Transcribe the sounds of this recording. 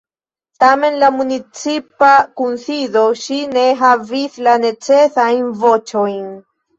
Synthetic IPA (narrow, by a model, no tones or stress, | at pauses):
t̪ame̞nlamunit͡sipakunsiðoʃine̞ɦavislane̞t͡sesajnvot͡ʃojn